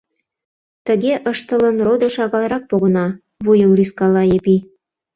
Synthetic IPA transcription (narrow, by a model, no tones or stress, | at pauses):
t̪ə̆ɣeʔəʃt̪ə̆lə̆nrod̪əʃɑɣɑlˠɾɑk̚poɣə̆nɑ | βujəmlyskɑlɑjepi